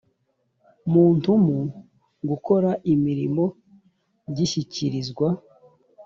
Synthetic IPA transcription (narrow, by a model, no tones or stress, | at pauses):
muːntumu | ɡuko̞ɾaʔimiɾimo̞ | ɟiʃiciɾizɡwa